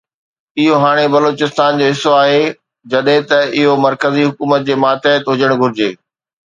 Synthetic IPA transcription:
ɪɦoɦaːɽ̃ebɐloːt͡ɕɪst̪aːnd͡ʑoːɦɪsːoaːɦe | d͡ʑɐɗɦẽt̪ɐʔɪɦomɐɾkəziɦʊkuːmət̪̚d͡ʑeːmaːt̪eət̪ɦʊd͡ʑəɽ̃ɡʱʊɾɪd͡ʑeː

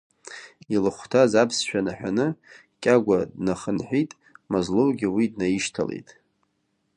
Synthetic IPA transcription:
ilɨχʷtʰazapʰsʃᶣanaħᶣanɨ | kʲʼaɡʷadnaχənħʷᶣitʼ | mozlowɡʲɪwidnajiʃtʰa̰lḛjtʼ

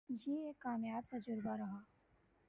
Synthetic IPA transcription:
jeeːkːaːmjaːb̚t̪ɐd͡ʒʊɾbaɾɐɦaː

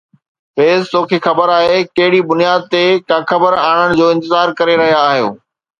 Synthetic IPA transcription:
feːzt̪oːkʰeːxɐbəɾaːɦekɐɦɪɽibʊnijaːd̪̚t̪ekãːkʰɐbəɾaːɽ̃əɽ̃d͡ʑoːɪ̃nt̪ɪzaːɾkɐɾeɾɐɦijaːɦijo̰ː

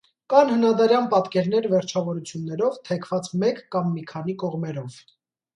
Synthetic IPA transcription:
kɑnhənɑd̪ɑɾjɑnpɑt̪kɛɾnɛɾvɛɾt͡ʃʰɑvɔɾut͡sʰjunːɛɾɔvt̪ʰɛkʰvɑt͡smɛkːɑmːikʰɑn̪ikɔʁmɛɾɔv

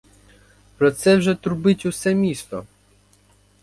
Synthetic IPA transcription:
pɾɔt̪sɛwʒɛt̪ʊɾbɪtʲusɛmʲist̪ɔ̰

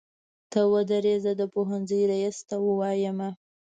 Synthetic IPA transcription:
t̪awəd̪əɾezad̪əpoɦanzəjɾajist̪awəwɑjəma

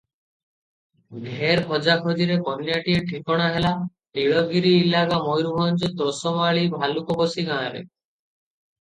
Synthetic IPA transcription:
ɡʱeɾkʰɔd͡ʒakʰod̪iɾekɔnjaʈieʈʰikɔɽ̃aɦela | ʈiɭɔɡiɾiːlaɡamɔjɾubʱɔnt͡ʃɔt̪ɾɔsɔmaɭibʱalukɔbɔsiɡãɽ̃ɾḛ

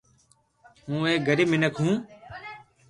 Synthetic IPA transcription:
ɦũːeːɡʱəɾiːmɪnəkʰɦũː

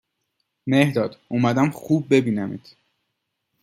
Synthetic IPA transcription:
mehd̪ɒːd̪̥umæd̪æmxuːb̚ːe̞biːnæmḭːt̪

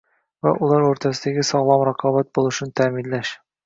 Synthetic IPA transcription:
væ̰ʔulˠɑɾuɾt̪ʰæsɘd̪æɡʲɪsɒʁlˠɑmɾɑqʰɑβæt̪̚bulˠɤ̆ʃnt̪ʰæːminlæʃ

